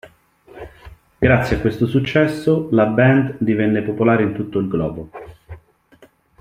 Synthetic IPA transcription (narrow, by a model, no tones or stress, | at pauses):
ɡ̥ɾat̪sːjiakːwest̪osut͡ʃːɛsːolabɛnd̪d̪ivɛnːepopolaːɾeint̪ut̪ːoilɡlɔːbo